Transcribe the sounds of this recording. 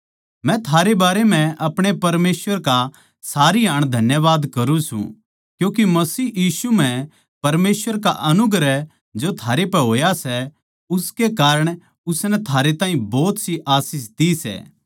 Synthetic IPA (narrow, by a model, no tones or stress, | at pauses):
mɛ̃t̪ʰaːɾebaːɾemɛ̃ʔɐpɽ̃epɐɾmeːsʋəɾka | saːɾiɦaːɽ̃d̪ʱɐnjəʋaːd̪kɐɾũsṵ̃ | kjũːk̬imɐsiːjiːsum̤ɛ̃ | pɐɾmeːsʋəɾkaʔɐnʊɡɾɛ | d͡ʒot̪ʰaːɾepɛɦoːjasɛ | ʊskekaːɾəɽ̃ | ʊsnɛt̪ʰaːɾet̪ãːɦĩbɔːt̪siʔaːsiːs̬d̪isɛ̰ː